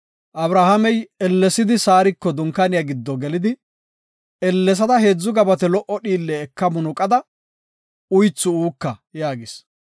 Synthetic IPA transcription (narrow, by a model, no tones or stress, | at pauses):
ʔɐbɾahɐmɛjɛlːɛsɪd̪ɪsaːɾɪkːɔd̪ʊŋkːɐnɪjɐɡɪd̪ːɔɡɛlɪd̪ɪ | ɛlːɛs̬ɐd̪ɐɦe̞ːd͡zːʊɡɐbɐt̪ɛlɔʔɔɗiːlːɛːkːɐmʊnʊkʼɐd̪ɐ | ʊjt͡sːʊuːkːɐjaːɡɪs